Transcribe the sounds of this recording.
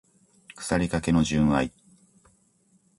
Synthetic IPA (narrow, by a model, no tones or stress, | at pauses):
kɯ̥saɾʲikake̞no̞ʑɨ̃ɰ̃ai